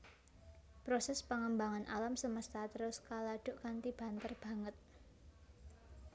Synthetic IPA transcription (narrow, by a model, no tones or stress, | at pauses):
pɾosɛspəŋəmbaŋanʔalamsəməst̪at̪əɾʊskalaɖ̥ʊ̤ʔkant̪ib̥a̤nt̪ərb̥a̤ŋət̪̚